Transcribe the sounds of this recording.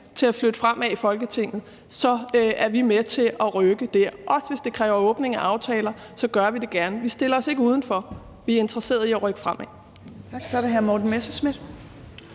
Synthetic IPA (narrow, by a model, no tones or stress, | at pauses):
t͡sʰe̝læflød̥əfʁam̰æifɒ̽lɡ̥ət͡sʰe̝ŋ̰ð̩ˠ | sɒ̽æɐʋimet͡sʰe̝ʔɒʁøɡ̥əd̥æɐ̰ʔɒ̽sʋe̝sd̥e̝kʰʁɛːʊɐɔ̽ːb̥ne̝ŋæʔɑ̈ʊt͡sʰɛːlɐ | sɒ̽ɡ̥ɶɐʋid̥e̝ɡ̥æɐnəʋisd̥e̝lɐɒ̽se̝ɡ̥əuːð̞ˠn̩fɒ̽ | ʋiæɐe̝nd̥ʁɐse̝̰ːɐðˠiɒʁœɡ̥ə̥fʁam̰æ̥ | sɒɾeɦæɐmɔd̥n̩mesəsmed̥